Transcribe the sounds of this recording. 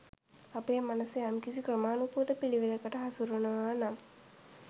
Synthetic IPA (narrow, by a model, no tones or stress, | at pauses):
apejmanɐseamkisikrəmaːnupuːd̪əpiliʋiləkəʈəɦasuɾunɐʋaːnam